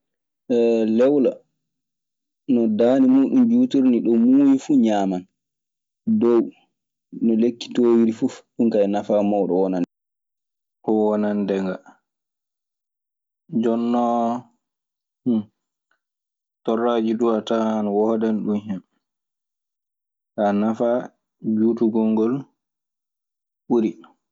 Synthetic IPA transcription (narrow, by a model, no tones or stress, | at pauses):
ʔɛlɛwla | nɔdaːnimuɗumd͡ʒuːtuɾniɗɔmuːjifuɲaːman | dɔw | nɔlekːi̥toːwiɾifufɗuŋkajnafamɔwɗɔwɔnan | ʔɔwɔnandɛŋɡa | d͡ʒɔnːɔ | tɔrːad͡ʒiduatahanwɔdanɗunhɛm | anafa | d͡ʒuːtuɡɔŋɡɔl | ɓuɾi